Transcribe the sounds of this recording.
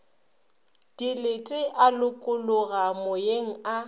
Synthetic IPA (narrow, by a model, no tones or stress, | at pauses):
d̥ilɪtʼɪʔalʊkʼʊlʊɣamʊjeŋ̩a